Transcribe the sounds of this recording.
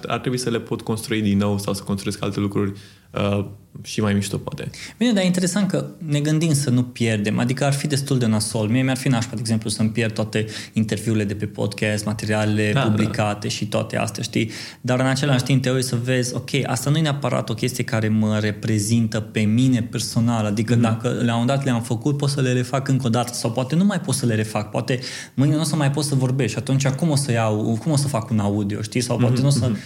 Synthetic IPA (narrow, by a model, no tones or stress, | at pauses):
a̰rt̪ɾebuisəle̞po̞t̪ko̞nst̪ɾuid̪inːo̞wsawsə̥konst̪ɾueska̰lt̪e̞lukɾurʲ | əʃimajmiʃt̪opoa̰t̪e̞̰b̥ined̪ajeint̪e̞ɾe̞sant̪̚kəne̞ɡɨnd̪imsənupje̞rd̪e̞mʔa̰d̪ikəarfid̪e̞st̪uld̪eunasolmiemearfinaʃpad̪eɡzemplusəmpjerd̪t̪at̪e̞int̪e̞rvjuːɾile̞d̪e̞pe̞po̞̰d̪kʲɛst̪mat̪e̞ɾialele̞publikat̪e̞ʃit̪oa̰t̪e̞̰a̰st̪ea̰ʃt̪i | d̪aɾɨnat͡ʃe̞laʃt̪imp̚t̪ejesəve̞zʲo̞kʲʰe̞jʔa̰st̪anuje̞neapəɾa̰t̪o̞kʲe̞st̪ije̞kaɾe̞məɾe̞pɾe̞zint̪əpe̞mine̞pe̞rso̞nalad̪ikəd̪akəleamund̪at̪leamfəkut̪̚po̞t̪səle̞ɾe̞fakɨŋko̞d̪at̪ə̥sawpoat̪e̞numajpo̞t̪səle̞ɾe̞fak̚poa̰t̪e̞ | mɨjnanosəmajpo̞t̪səvo̞rbe̞st̪ʃat̪unt͡ʃakumo̞səjawkumo̞səfakunaud̪io̞̰ʃt̪isawpwa̰t̪e̞nosə